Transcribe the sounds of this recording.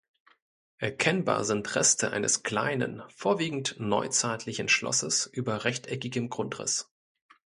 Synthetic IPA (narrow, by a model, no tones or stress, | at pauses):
ʔɛɐkʰɛnba̰ːɐzɪntʁɛstʰəʔa̰ɪnʔəskl̥a̰ɪnə̰nfoːɐviːɡŋ̩tnɔʏt͡saɪtʰlɪçən̩ʃlɔ̰səsʔyːbɐʁɛçtʰʔɛkɪɡəmɡʁʊntʁɪ̰s